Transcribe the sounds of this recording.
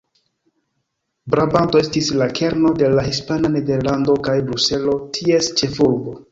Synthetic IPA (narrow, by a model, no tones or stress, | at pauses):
bɾabanto̞e̞stislakʰe̞ɾno̞de̞lahispanane̞de̞ɾlando̞kajbɾuse̞lo̞tʰie̞st͡ʃe̞fuɾbo̞